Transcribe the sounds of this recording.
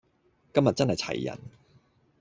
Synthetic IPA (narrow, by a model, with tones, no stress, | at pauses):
kɐ˥mjɐ˨t̚t͡sɐ˥nhɐ˨jt͡sʰɐ̰˨˩jːɐ̰˨˩n